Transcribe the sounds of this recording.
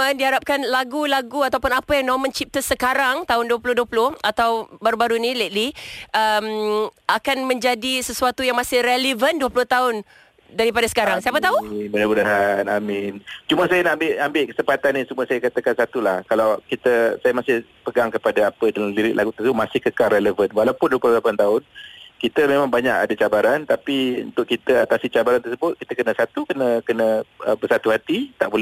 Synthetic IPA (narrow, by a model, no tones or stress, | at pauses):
əndiɦaɾap̚kanlaɡulaɡuat̪awpʊnapəjaŋnɔmə̃nt͡ʃip̚t̪əsəkaɾaŋt̪aʊnduəpulʊhduəpulʊhat̪awbaɾubaɾunilet̪̚liʔəmʔakanmə̃ɲd͡ʒadisəsuat̪ujaŋmasɪhrɛlivənduəplʊht̪aʊn | daɾipadasə̥kaɾaŋsiapat̪aumənamudaɦanamint͡ʃumasajanaʔambɪʔambɪʔkə̥səmpat̪anisəmuəsajakat̪əkansat̪ulahkalawkit̪əsajamasɪh | pəɡaŋkəpadaapədalamliɾɪʔ̪lʔaɡut̪əsəbʊʔ̚masɪhkəkalɾɛləvənwalapʊnduəplʊlapant̪aʊnkit̪əmemãŋbaɲaka̰dat͡ʃabaɾant̪apiṵnt̪ʊʔ̚kit̪əat̪asit͡ʃabaɾant̪ərsəbʊt̪̚kit̪əkənə̃sat̪ukənəkənəəbərsat̪uhat̪it̪aʔbolɛ